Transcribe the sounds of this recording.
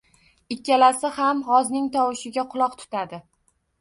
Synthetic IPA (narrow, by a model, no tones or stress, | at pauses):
ɪkʲːalasɪhamhɒznɪŋt̪ʰɒwɪʃɪɡʲaqʰʊlˠɒqt̪ʰʊ̥t̪ʰad̪ɪ